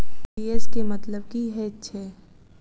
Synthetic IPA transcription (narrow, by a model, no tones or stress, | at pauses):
ieskemɐt̪ləb̚kiɦɛtːʃʰɛː